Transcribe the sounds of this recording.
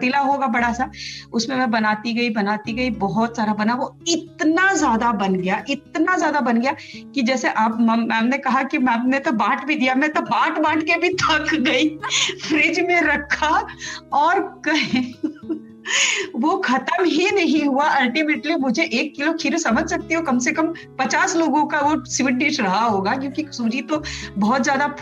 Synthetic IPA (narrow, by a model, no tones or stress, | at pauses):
t̪ilaɦoːɡabɐɽasaʊsmẽmɛ̃bɐnaːt̪iɡɐibɐnaːt̪iɡɐibɔɦɔt̪saːɾabɐnaʋoɪt̪nazjaːd̪abɐnɡɐjaʔɪt̪nazjaːd̪abɐnɡɐjakid͡ʒɛːseʔaːpmmɛ̃mnekɐɦakimɛ̃p̚net̪obaːʈʰbʱid̪ijamɛ̃t̪obaːʈbaːʈʰkebʱit̪ʰɐkɡɐifʰɾɪd͡ʒmẽɾɐkʰaɔːɾkɐɦẽ | ʋoxʰɐt̪əmɦinɐɦĩɦuaɐlʈimeːʈlimʊd͡ʒʱeʔeːkːɪlokʰiːɾsɐməd͡ʒʱsɐk̚t̪iɦõkɐmsekɐm | pɐt͡ʃaːsloːɡõkaʋosʋɪʈ̚ɖɪʃɾɐɦaɦoːɡakjõːkiksuːd͡ʒit̪obɔɦɔt̪zjaːd̪a